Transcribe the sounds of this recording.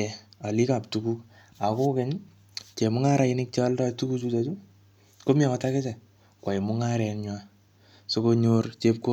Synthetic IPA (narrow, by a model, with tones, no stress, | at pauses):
ɛa˨li˦ka˨p̚tukuk̚ | a˨ko˦kɛ˦ɲ | t͡ʃe˨mʊ˦ŋa˦ɾa˨ɪnɪk̚t͡ʃaldatu˦kut͡ʃutat͡ʃu˦ | ko˦mja˨kɔ˨takɪ˦sɛ˨ | kwa˨i˨mʊ˦ŋaɾɛ˨nɲwa˦ | so˦ko˧ɲoɾt͡ʃep̚ko